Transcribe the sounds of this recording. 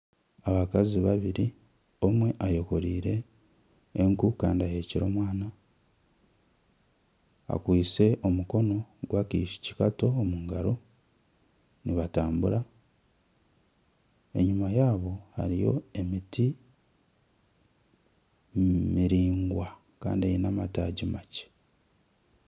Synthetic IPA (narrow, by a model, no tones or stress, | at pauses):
aβakaziβaβiɾi | o̞mwe̞ʔajo̞ko̞ɾiːɾe̞ː | ŋkukaːndiajeːciɾo̞ːmwaːna | a̰kwiːse̞ʔo̞muko̞no̞ɡwakiːʃi̥ci̥kato̞ːmuŋɡaɾo̞ | niβataːmbuɾa | e̞̰ɲumajaːβo̞ha̰ɾijo̞̰e̞miti | miɾiːŋɡwa | ka̰ːndiejinamataːɟimace̥